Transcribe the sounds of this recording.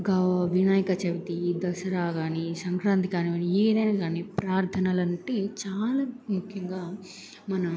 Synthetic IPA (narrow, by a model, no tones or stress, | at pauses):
ɡɐʋʋinaːjɐkɐt͡ʃɐʋit̪id̪ɐsɐɾaːɡaːnisɐŋkɾaːnt̪ikaːniɐnieːd̪ɐjnaːɡaːnipɾaːɾt̪ʰɐnɐlɐnʈeːt͡ʃaːlaːmukʰjɐŋɡaː | mɐnɐ